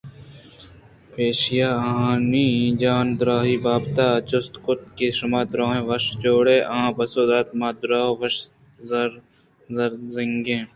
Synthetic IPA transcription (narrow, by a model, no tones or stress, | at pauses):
peːʃijaːɐɦãːniːĩd͡ʒaːnd̪ʊɾaːɦiːbaːbt̪aːt͡ʃʊst̪kʊt̪̚keʃɐmaːd̪ɾaːɦẽːʋɐʃt͡ʃoːɽeːʔɐãːbɐsoːd̪aːt̪maːd̪ʊɾaːʋɐʃ | zɐɾ | zɐɾzɪŋɡẽː